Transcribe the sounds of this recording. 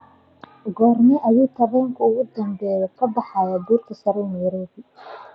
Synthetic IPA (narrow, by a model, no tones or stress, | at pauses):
ɡɔːrnɪʔɐjuːt̪ʰɐβɛːŋkʰɐʊɣʊd̪ɐmbɛːjɔkʰɐbɑħɑːjɐbuːrk̪ʰɐsɐɾɛjnɛjɾɔːbɪ